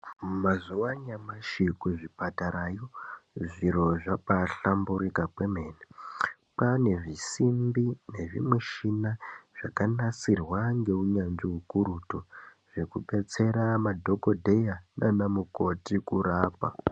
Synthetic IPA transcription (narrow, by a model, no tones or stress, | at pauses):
mazuwaɲamaʃikuʐipataɾajoʐiɾo̞ʐapaɬambuɾikakwe̞me̞ne | pane̞ʐisimbine̞ʐḭmweʃinaʐ̥akanasirwaŋɡe̞uɲanʐiɦukuɾuto | ʐ̥e̞kuɓe̞t͡se̞ɾamadʱo̞ko̞dʱejananamuko̞tikuɾaːpa̰